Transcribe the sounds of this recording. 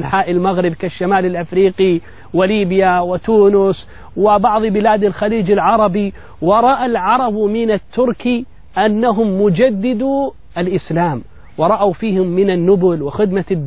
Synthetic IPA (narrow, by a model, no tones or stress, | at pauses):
ħaːʔɪlmaɣɾɪbkaʃːamaːlɪlʔɪfɾiːqi | wɪliːbjawɪt̪uːnʊs | wɪbɑʕðˤbɪlaːd̪alxaliːd͡ʒɪlʕɑɾˤɑbi | wɑɾˤɑʔalʕɑɾˤɑbmɪnat̪ːʊɾki | ʔanːaɦʊmːʊd͡ʒad̪ːɪd̪u | ʔalʔɪslaːm | wɑɾˤɑʔawfiːhʊmːɪnanːʊbʊlwɪxɪd̪mad̪